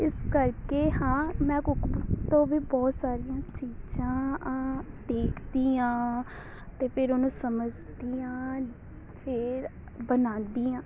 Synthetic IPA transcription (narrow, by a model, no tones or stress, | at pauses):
ɪskəɾkeːɦãːmɛ̃ːkʊkbt̪õːʋiːbɔːt̪saːɾiːjãːt͡ʃiːd͡ʒãː | ɖeːkʰd̪iːãː | t̪eːpʰɪɾonũːsəməd͡ʒ | d̪iːãː | pʰɪɾ | bənãːnd̪iːãː